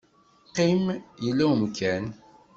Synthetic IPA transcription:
qimjəlːæəmkæn

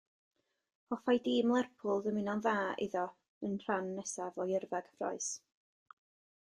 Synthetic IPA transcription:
ɔfajdiːmlˠɛrpʰʊlˠðəmɪnɔnvaːɪ̰ðɔ | ənr̥anːɛsavɔjɪrvɛɡ̥frɔ̰ɨs

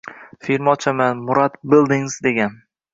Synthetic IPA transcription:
fiɾmɒt͡ʃʰamanmʊɾat̪bɪlˠd̪ɪŋzd̪eɡʲan

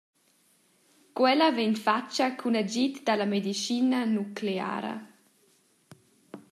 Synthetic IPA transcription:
kwɛlavɛnfat͡ʃakʰunad͡ʒit̪d̪alamed̪iʃinanukʰlea̰ːɾɐ̰

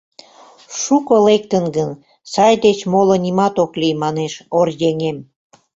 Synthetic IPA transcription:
ʃukolek̚t̪ənɡən | sɑjd̪et͡ɕmolə̆nimɑt̪oklijmɑneʃorjeŋem

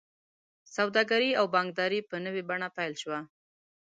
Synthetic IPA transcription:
sawd̪ɑɡaɾiawbɑŋɡ̚d̪ɑɾipənəwebaɳapajlʃwa

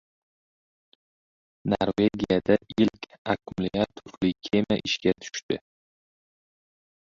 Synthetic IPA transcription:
noɾve̞ɡʲijad̪aɪlkʲʰakʰmlɪjat̪ʰʊflɪkʲʰemaʔɪʃkʲat̪ʰʊ̥ʃt̪ɪ

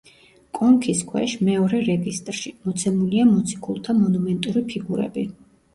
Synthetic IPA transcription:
kʼɔŋkʰiskʰwɛ̰ʃmɛɔɾɛɾɛɡist̪ʼɾʃimɔt̪sʰɛmuliamɔt̪sʰi̥kʰulˠt̪ʰamɔnumɛnt̪ʼuɾipʰiɡuɾɛ̰bi

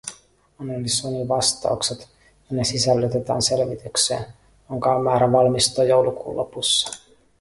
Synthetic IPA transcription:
onelːisoniʋɑst̪ɑ̰ukset̪ | jɑnesisælːyt̪et̪æ̰ːnse̞lʋit̪yksḛːn | joŋkɑommæːɾæʋɑlmist̪oːjo̞wlukṵːlʔo̰pusːɑ̥

